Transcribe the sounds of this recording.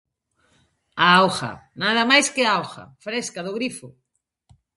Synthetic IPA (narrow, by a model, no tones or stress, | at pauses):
aawxa̰naðɐmajskɪaawxɐ̰fɾeskaðʊɣɾifʊ